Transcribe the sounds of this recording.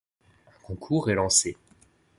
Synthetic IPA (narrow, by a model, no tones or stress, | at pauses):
ɛ̃kɔ̃kʰuʁɛlɑ̃se